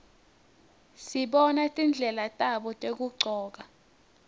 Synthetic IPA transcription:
siɓɔnatʼind͡ɮʱɛlatʼaɓɔtʼek̬uɡ͡ǀʱɔːk̬a

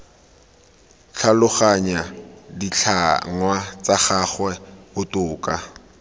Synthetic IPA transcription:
t͡ɬʰalʊχaɲadit͡ɬʰa̰ŋwat͡saχaχwɛbʊtʼʊːkʼa

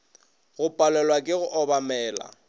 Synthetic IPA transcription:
ɣʊpʼalɛlwakʼɪɣʊʔɔbamɛːla̰

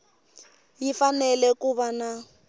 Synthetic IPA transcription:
jifanɛlɛkuβana

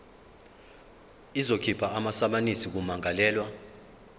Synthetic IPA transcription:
izokʰipʰaamasaɓanisik̬umaŋalɛːlwa

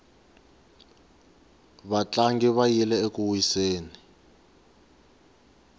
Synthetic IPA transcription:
βat͡ɬʼaŋɡiβajilɛekuwiseːni

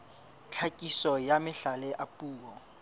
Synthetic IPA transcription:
t͡ɬʰakʼisɔjamɪɬalɛʔapʼuːk̬ɔ

